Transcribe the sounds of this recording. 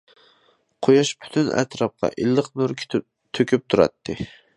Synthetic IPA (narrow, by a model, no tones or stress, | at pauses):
qʰojɑʃpʰy̥t̪ʰynæ̰t̪ʰɾɑp̚qɑ̰ʔilːəqmøɾkʰʲ | t̪ʰøkʲʰyp̚t̪ʰuɾɑ̰t̪ːɨ